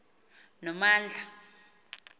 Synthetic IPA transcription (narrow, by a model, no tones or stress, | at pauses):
nɔmaːnd͡ɮʱa